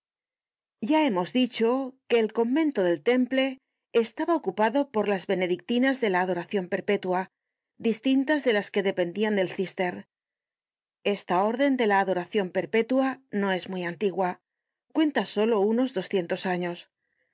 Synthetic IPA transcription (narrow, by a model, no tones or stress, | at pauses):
ɟ͡ʝae̞mo̞zðit͡ʃo̞ke̞ːlko̞mbẽ̞nt̪o̞ð̞e̞lt̪e̞mple̞ː | st̪aβao̞kupaðo̞po̞ɾlazβe̞ne̞ðik̚t̪inazðe̞laːðo̞ɾaθjo̞mpe̞ɾpe̞t̪ua | d̪ist̪int̪azðe̞laske̞ðe̞pe̞nd̪iand̪e̞lθist̪e̞ɾ | e̞st̪ao̞ɾðe̞nd̪e̞laːðo̞ɾaθjo̞mpe̞ɾpe̞t̪uano̞e̞zmwiant̪iɣwa | kwe̞nt̪aso̞lo̞uno̞zðo̞sθje̞nt̪o̞saɲo̞s